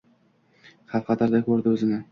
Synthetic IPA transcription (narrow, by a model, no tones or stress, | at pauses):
χɑlqɑt̪aɾd̪akʲʰɵɾd̪ɪɵzɪmɪ